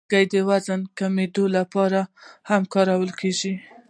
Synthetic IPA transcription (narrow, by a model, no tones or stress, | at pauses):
ɡajd̪əwazankamed̪olapɑɾahamkɑɾawəlkʰeʒi